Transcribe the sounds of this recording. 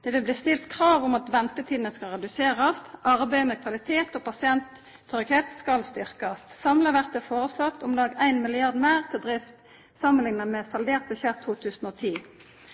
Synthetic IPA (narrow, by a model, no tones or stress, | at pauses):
d̪̥ɛʋɪlbliːst̪ɪlt̪kʰʁɑːʋʊmɑt̪ʋɛnt̪ət̪ʰiːd̪ənəskɑlʁɛd̪ʉseːʁɑst̪ʔɑʁbæɪmɛkʰʋɑlɪt̪ʰeːt̪ɔpʰɑsɪɛnt̪ʰː | œɾɪɡheːt̪skɑlst̪ʏʁkɑst̪sɑmləʋæʁt̪əfoːʁəslɔt̪ʰːʊmlɑːɡæɪnmɪlɪɑʁd̪mæɪʁt̪ʰɪld̪ʁɪft̪ | sɑmənlɪŋnəmɛsɑld̪eːʁt̪̚bəʃɛʁt̪ʰːuːt̪ʰʉːsn̩oːt̪ʰiː